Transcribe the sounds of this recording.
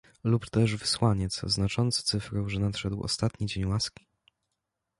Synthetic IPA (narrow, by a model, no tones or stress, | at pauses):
lupt̪ɛʐvɘswaɲɛt̪sznat͡ʂɔnt̪st̪sɘfɾɛwʐɛnat̪ʂɛd̪wɔ̰st̪at̪ɲid͡ʑeɲwaskʲi̥